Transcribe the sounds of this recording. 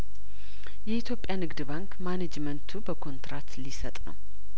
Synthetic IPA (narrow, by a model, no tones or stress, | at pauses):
jɛit̪ʰjo̞pʼjanɨɡd̪baŋkmaned͡ʒmənt̪ʰubəkʰo̞nt̪ɾat̪lisət̪ʼnə̰w